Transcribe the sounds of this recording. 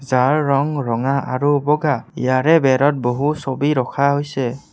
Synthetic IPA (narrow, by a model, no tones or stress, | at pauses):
zaɹːɔŋɹɔŋaʔaɹubɔɡaḭjaɹɛbɛɹɔt̚boɦusobiɹɔkʰaɦojsɛ